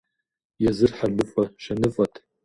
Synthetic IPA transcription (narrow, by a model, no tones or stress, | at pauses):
jazɨrħaʒʷʊfʼaʃanɨfʼatʼʰ